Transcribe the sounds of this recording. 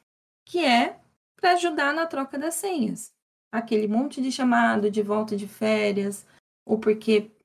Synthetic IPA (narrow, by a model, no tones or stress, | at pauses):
kɪɛ | pɾɐːʒud̪aɾnɐt̪ɾɔkɐd̪ɐsẽɲɐs | akelɪmõnt͡ʃɪd͡ʒɪʃamad̪ʊd͡ʒɪvɔwt̪ɐd͡ʒɪfɛɾjiɐs | opoɾkʰe